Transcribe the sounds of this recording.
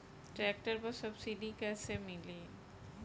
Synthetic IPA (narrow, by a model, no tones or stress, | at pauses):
ʈɾɛk̚ʈəɾpəsəbsiɖikɛːsemɪli